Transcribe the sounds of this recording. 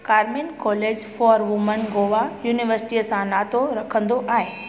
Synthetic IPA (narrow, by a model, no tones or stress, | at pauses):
kaːɾminkɔːleːd͡ʑfɔːɾʋʊmənɡoːʋajuːnɪʋəɾsɪ̥ʈiəsãnaːt̪oɾɐkʰə̃nd̪oʔaːɦɪː